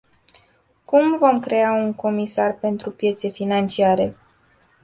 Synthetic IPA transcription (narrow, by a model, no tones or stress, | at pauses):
kumvo̞mkɾe̞auŋko̞misarpe̞nt̪ɾupje̞t̪se̞finant͡ʃiaɾe̞